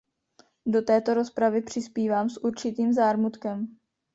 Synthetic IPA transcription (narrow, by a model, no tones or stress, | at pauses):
do̞t̪ɛːt̪o̞ɾo̞spɾavɪpr̝̥ɪspiːvaːmsʔuɾt͡ʃɪt̪iːmzaːɾmut̪kɛm